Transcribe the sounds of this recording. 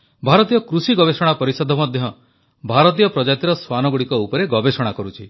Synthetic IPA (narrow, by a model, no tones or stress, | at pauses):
bʱaɾɔt̪ijɔkɾusiɡɔbesɔɽ̃apɔɾisɔd̪ʱɔmɔd̪ʱjɔ | bʱaɾɔt̪̬ijɔpɾɔd͡ʒat̪iɾɔswanɔɡuɽikɔupɔɾeɡɔbesɔɽ̃akɔɾut͡ʃʰi